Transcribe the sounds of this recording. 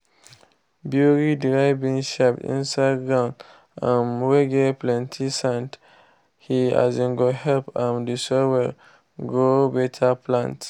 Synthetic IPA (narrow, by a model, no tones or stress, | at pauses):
bjuɹidɹajvĩŋʃapḭ̃nsaɪdɡɹãʊ̃n | ãnweɡeplɛ̃ntʰisãnt | hia̰zĩŋɡohɛlpãmdisɔwɛ | ɡobɛtʰaplãnt